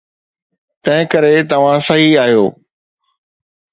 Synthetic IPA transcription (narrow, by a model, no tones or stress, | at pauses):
t̪ɐ̃ɦɪ̃kɐɾet̪ɐʋ̤ãsɐɦiaːɦjoː